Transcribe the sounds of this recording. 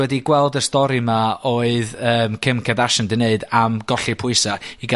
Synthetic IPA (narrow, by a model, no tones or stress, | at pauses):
wɛdiɡwɛlˠdəstɔɾimaoːɨðəːmkʰɪmkʰɛdaʃəndɨneɨdamɡɔɬipʰʊɨsaiɡa